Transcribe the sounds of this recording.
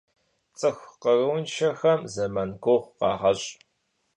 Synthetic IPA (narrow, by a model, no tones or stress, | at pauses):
t͡sʼɨxʷqərɨwnʃɐxɐmzɐmɐnkʷʰoʁʷqɑ̰ːʁɐɕʼ